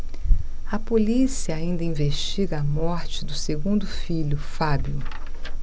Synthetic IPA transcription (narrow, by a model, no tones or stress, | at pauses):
ɐpolisiɐaĩnd̪ɐĩveʃt͡ʃiɡɐːmɔɾt͡ʃɪd̪ʊseɡũnd̪ʊfiʎʊfabju